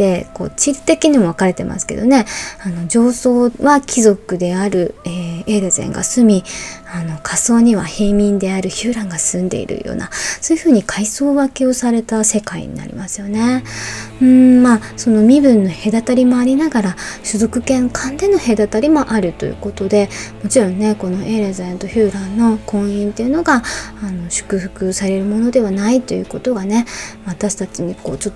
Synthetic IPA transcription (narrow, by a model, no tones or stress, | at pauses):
e̞ko̞̰ːt͡ɕiɾʲit̪e̞kʲiɲ̟imo̞β̞akaɾe̞t̪e̞mʔa̰sɨ̥ke̞d̪o̞ne̞ano̞d͡ʑo̞ːso̞ːβakʲizo̞kɯ̟d̪e̞aɾɯ̟eeːɾezḛ̃ŋɡa̰sɨmʲiano̞kʰaso̞ːɲ̟iβ̞aheːmʲĩnd̪e̞aɾɯ̟çɨːɾãŋɡasɨ̃nd̪e̞̰ḭɾɯ̟̰jo̰ːna̰so̞ːjɯ̟ɸɯ̟ːɲ̟ikʰaiso̞ːβakeo̞saɾe̞t̪ase̞kaḭɲ̟ḭna̰ɾʲḭmasɨ̥jo̞ne̞ | ɯ̃maːso̞no̞mʲibɯ̟̃nːo̞he̞d̪at̪aɾʲimo̞aɾʲinaɡaɾaɕɨzo̞kɯ̟kẽ̞ŋkʰãnd̪e̞no̞he̞d̪at̪aɾʲimo̞ʔaɾɯ̟t̪o̞̰jɯ̰ko̞t̪o̞d̪e̞mo̞t͡ɕiɾõ̞nːe̞ko̞no̞ʔeːɾezẽnt̪o̞çɨːɾãnːo̞kʰõ̞ɰ̃ĩnt̪e̞jɯ̟no̞ɡaːno̞ɕɨ̥kɯ̟ɸɯ̟kɯ̟saɾe̞ɾɯ̟mo̞no̞d̪e̞βanait̪o̞jɯ̟ko̞t̪o̞ɡane̞βat̪aɕi̥t̪at͡ɕiɲ̟iko̞̰ːt͡ɕo̞t̪ːo